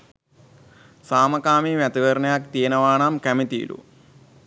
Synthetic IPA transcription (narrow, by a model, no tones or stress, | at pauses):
saːmɐkaːmimɐt̪iʋɐɾnɐjaːkt̪iːnɐʋaːɳaːmkɐmit̪ḭːlṵ